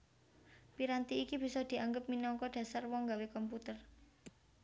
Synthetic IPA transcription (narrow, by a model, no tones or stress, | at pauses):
piɾant̪iːkib̥i̤sɔd̪̥i̤aŋɡəp̚minɔŋkɔɖ̥ä̤sarwɔŋɡawekɔmput̪ər